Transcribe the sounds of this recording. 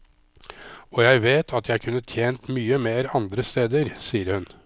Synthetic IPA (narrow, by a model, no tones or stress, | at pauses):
ɔjæɪʋeːt̪ʰɑt̪jæɪkʰʉnːət̪ʰjeːnt̪myːəmeːɾɑnd̪ɾəst̪eːd̪əɾsiːəɾhʉn